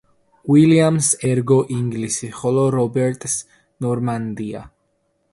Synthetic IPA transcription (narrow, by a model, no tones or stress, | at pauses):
wiliamsɛɾɡɔʔiŋɡlisiχɔlɔɾɔbɛɾt̪ʼs | nɔɾmand̪ia̰